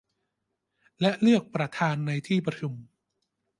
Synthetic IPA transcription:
lɛ˦˥ʔlɯ˥˩ək̚pɾa˧t̪ʰaː˧nːa˧jt̪ʰiː˥˩pɾa˧tʰu˧m

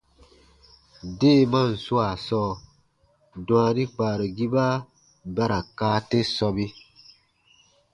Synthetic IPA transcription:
de˦˨mã˦n̩˨su˦a˨sɔː˦˨ | dũ˨a˧nĩ˦k͡paː˨ɾo˨ɡi˦ba˦ | ba˦ɾa˨kaː˦te˦sɔ˧bi˦

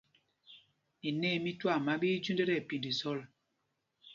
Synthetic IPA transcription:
i˨nɛː˦˨mi˦twa˦˨ma˨˦ɓi˦d͡ʒu˦ndɛ˦ɾɛ˨pi˨ndi˨sɔ˦˨l

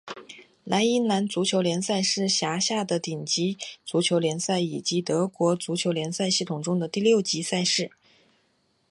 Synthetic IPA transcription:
la˧˥ɪi˥nla˧˥nt͡su˧˥t͡ɕʰjo˧˥ʊljɛ˧˥nsa˥˧ɪʂɻ̩˥˩ɕja˧˥ɕja˥˩d̪ə˩t̪i˨˩ŋt͡ɕi˧˥t͡su˧˥t͡ɕʰjo˧˥ʊljɛ˧˥nsa˥˩ɪi˨˩t͡ɕi˧˥t̪ɤ˧˥kwɔ˧˥t͡su˧˥t͡ɕʰjo˧˥ʊljɛ˧˥nsa˥˧ɪɕi˥˩t̪ʰʊ˨˩ŋʈ͡ʂʊ˥ŋd̪ə˨t̪i˥˧ljo˥˩ʊt͡ɕi˧˥sa˥˧ɪʂɻ̩˥˩

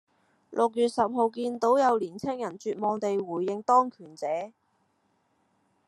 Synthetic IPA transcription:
lʔʊ˨k̚jyː˨˧t̚sɐ˨p̚ɦo˨˧wkiː˧nt̪o˨˥wjɐ˨˧wliː˨˩nt͡sʰɪ˥ŋjɐ˨˩nt͡ʃyː˨˧t̚mɔː˨˧ŋt̪e˨jwuː˨˩jːɪ˧ŋt̪ɔː˥ŋkʰyː˨˩nt͡sɛː˨˥

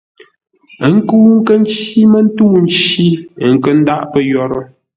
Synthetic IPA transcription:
ə˦ŋ̩˦ku˦ŋ̩˦kə˦n˦t͡ʃi˦mə˦n̩˦tu˦n̩˦t͡ʃi˦˨ŋ̩˦˨kə˦n̩˦da˦ʔpə˦jɔ˦ɾə̰˦

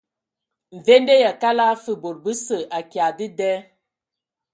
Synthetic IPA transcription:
ɱ̩˨ve˦nde˦ja˨ka˦la˦fə˦˨bo˨ɾ̚bə˦sə˨ʔa˨kja˨di˦dɛ˦

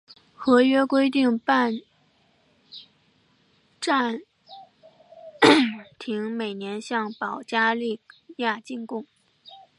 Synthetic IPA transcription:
xɤ˧˥ɥɛ˥kwe˥ɪt̪i˥˩ŋpa˥˧n | ʈ͡ʂa˥˩n | t̪ʰi˧˥ŋme˨˩ɪnjɛ˧˥nɕjɑ˥˩ŋpɑ˨˩ʊt͡ɕja˥li˥˧ja˥˧t͡ɕi˥˧ŋkʊ˥˩ŋ

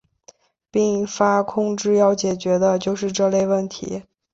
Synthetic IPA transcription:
pi˥˩ŋfa˥kʰʊ˥ŋʈ͡ʂɻ̩˥˧jɑ˥˩ʊt͡ɕjɛ˨˩t͡ɕɥɛ˧˥d̪ə˧t͡ɕjo˥˧ʊʂɻ̩˥˧ʈ͡ʂɤ˥˧le˥˧ɪwə˥˩nt̪ʰḭ˧˥

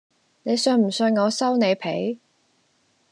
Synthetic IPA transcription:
ne˨˧jsœː˧ŋm̩˨˩sɵ˧ŋŋɔː˨˧sɐ˥wne˨˧jpʰḛ˨˥j

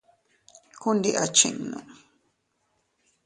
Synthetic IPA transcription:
ku˦nd̪i˧ʔa̰˨t͡ʃḭ̃˧ŋnṵ̃˨

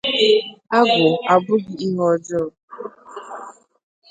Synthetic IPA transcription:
a˦ɡʷʊ˨a˨bʊ˦ɡɪ˨i˦ɦɔ˨d͡ʒɔ˦˨

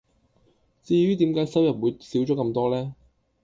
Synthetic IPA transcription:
t͡siː˧jyː˥t̪i˨˥mkaː˨˥jsɐ˥wjɐ˨p̚wuː˨˧jsiː˨˥wt͡ʃɔː˨˥kɐ˧mt̪ɔː˥lɛː˥

